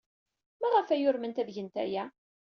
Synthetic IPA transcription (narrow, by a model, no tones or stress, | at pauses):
mæʁəfæjʊɾmənt̪æðʝənt̪æ̰jæ